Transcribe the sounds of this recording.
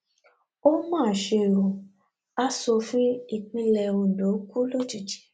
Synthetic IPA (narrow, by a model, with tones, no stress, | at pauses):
o˦mãː˦˨ʃe˧˨ɾo˨ | a˦so˧fĩ˦i˦˨k͡pĩ˧lɛ˧ũ˨do˨˦ku˦lo˦˨ti˨d͡ʒi̥˨˦